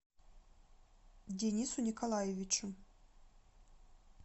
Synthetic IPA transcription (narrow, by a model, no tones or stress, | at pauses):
dʲenʲisunʲikʰolˠajevʲit͡ʃu